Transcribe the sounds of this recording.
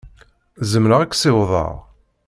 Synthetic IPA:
zəmɾəʁækʷːsɪwðˤɑ̰ʁ

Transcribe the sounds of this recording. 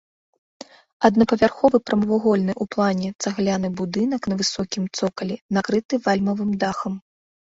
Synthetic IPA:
ɐd̪nɐpɐvʲarxɔvɨpɾɐmɐvaɣɔlʲnɨʔuplˠanʲɛt̪saɣlʲanɨbud̪ɨnɐknɐvɨsɔkʲimt̪sɔkɐlʲɛnakɾɨt̪ɨvalʲmɐvɨmd̪axɐm

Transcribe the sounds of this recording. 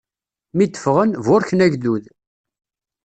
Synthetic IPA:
mid̪ːə̥fʁənvʊɾçnæʝðuð

